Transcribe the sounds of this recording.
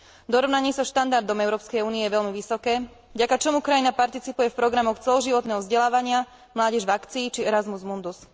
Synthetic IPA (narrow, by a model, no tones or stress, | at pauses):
d̪ɔɾɔʋnaɲɪɛsaʃt̪and̪aɾd̪ɔmɛʊɾɔːpskɛjuːniɛjɛʋɛʎmiʋisɔkɛː | vɟakat͡ʃɔmukɾajinapaɾt̪it͡sipujɛfpɾɔɡɾamɔxt͡sɛlɔʒiʋɔt̪nɛːɦɔvzɟɛlaːʋaɲɪa | mlaːɟɛʒʋakt͡siːt͡ʃiɛɾazmuzmund̪us